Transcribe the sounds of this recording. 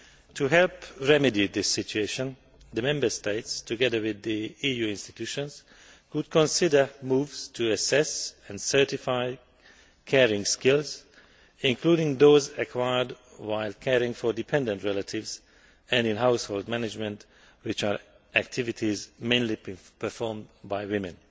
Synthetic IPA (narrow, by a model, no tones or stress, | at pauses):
tʰuɦɛlpɹɛmidid̪ɪsːɪt͡ʃueʃə̃n | d̪əmɛ̃mbə˞st̪eɪtstuɡɛd̪ə˞wɪðiiːjuɪ̃nstit̪juːʃɔ̃nz | kud̚kʰɔ̃nsɪdə˞muːvz̥tʰuəsɛsɛ̃ndsɜ˞tifaɪ | kʰɛɹɪ̃ŋskɪlz | ɪ̃ŋkʰludɪ̃ŋd̪oːzəkʰwajəd | waɪlkʰɛɹɪ̃ŋfɔɹdipʰɛ̃ndɛ̃ntɹɛlatʰɪvz | ɛ̃ndɪ̃nɦawshold̚mænɪd͡ʒmɛ̃nt | wɪt͡ʃaɹ | ʔæk̚tʰɪvɪtʰizmẽɪ̃nlipə˞fɔɹmbajwɪ̃mɛ̃n